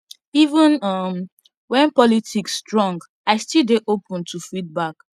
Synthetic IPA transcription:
ivə̃nʌm | wɛ̃npɔlitʰiksːtɹɔ̃ŋɡ | aɪstildeʔopə̃ntʰufid̚bak

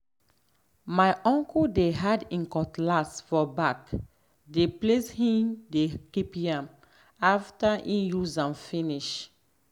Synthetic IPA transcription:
maɪʔɔ̃ŋkɔdeɦadĩŋkɔtlasfɔbak | depleshĩmdekipãm | aftaʔĩjuzãmfĩniʃ

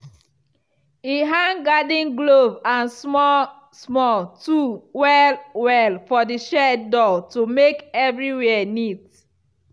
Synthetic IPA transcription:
iɦãŋɡadĩnɡlovãnsmɔ | smɔltuwɛlwɛlfɔdiʃɛdɔtumekɛvɹiwɛɛnit

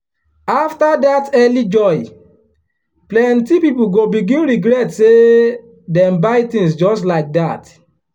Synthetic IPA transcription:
aftadatɛlid͡ʒɔɪ | plɛntipipuɡobiɡĩnɹiɡɾɛtse | dɛ̃mbaɪtĩŋs̬d͡ʒɔstlaɪk̚dat

